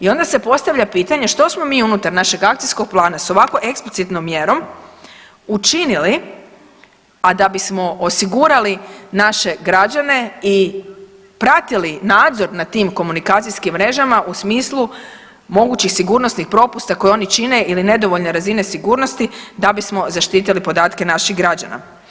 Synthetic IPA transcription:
io̞nd̪ase̞po̞st̪aʋʎapiːt̪aɲeʃt̪o̞smo̞miːunut̪aɾnaʃe̞ɡak̚t̪ijsko̞ɡ̚plˠaːnaso̞ʋako̞ʔe̞ksplitsit̪nomːjeɾo̞m | ut͡ʃinili | ad̪abismo̞osiɡuɾalinaʃe̞ɡɾad͡ʑane̞i | pɾat̪ilinaːd̪zo̞ɾnat̪iːmko̞munikaːt̪sijskimːɾe̞ʒamaʔusmiːslˠu | mo̞ɡuːt͡ɕixsiɡuːɾnosnixpɾo̞pust̪ako̞jeo̞nit͡ʃine̞ʔiline̞d̪o̞ʋo̞ʎneɾazine̞siɡuːɾnost̪id̪abismo̞zaʃt̪iːt̪̬ilipo̞d̪aːt̪ke̞naʃixɡɾad͡ʑa̰na̰

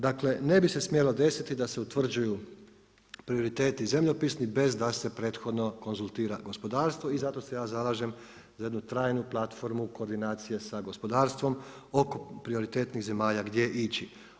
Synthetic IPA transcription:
d̪aːkle̞ne̞bise̞smjelo̞d̪e̞sit̪id̪ase̞ut̪ʋr̩d͡ʒuju | pɾio̞ɾit̪eːt̪ize̞mʎopisnibe̞zd̪ase̞pɾe̞ːt̪xo̞d̪no̞ko̞nzulˠt̪iːɾaɡo̞spo̞d̪aːɾst̪ʋo̞izat̪o̞se̞jaːzalˠaːʒe̞m | zaje̞d̪nut̪ɾaːjnuplˠat̪fo̞ɾmuko̞ːɾd̪inaːt̪sije̞saɡo̞spo̞d̪aːɾst̪ʋo̞mo̞ko̞pɾio̞ɾit̪e̞ːt̪niɣze̞maːʎaɡd̪je̞ʔit͡ʃi

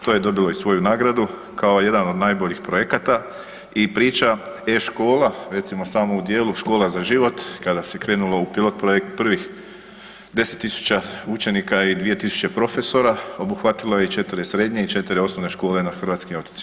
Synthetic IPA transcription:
t̪o̞je̞d̪o̞bilo̞isʋo̞junaːɡɾad̪u | kao̞je̞d̪ano̞d̪naːjbo̞ʎixpɾo̞jekat̪a | ipɾiːt͡ʃa | eʃko̞ːlaɾe̞t̪simo̞saːmoud̪je̞ːluʃko̞ːlazaʒiʋo̞t̪kad̪ase̞kɾe̞ːnulo̞upilˠo̞t̪̚pɾojek̚t̪pr̩ʋix | d̪e̞set̪ːisu̥t͡ɕaut͡ʃe̞nikaid̪ʋije̞t̪isu̥t͡ɕepɾo̞fe̞so̞ɾao̞buxʋat̪ilojeit͡ʃe̞t̪iɾesɾe̞d̪ɲe̞it͡ʃe̞t̪iɾeo̞snoʋne̞ʃko̞ːlenaxr̩ʋaːt̪skimo̞t̪i̥tsi̥

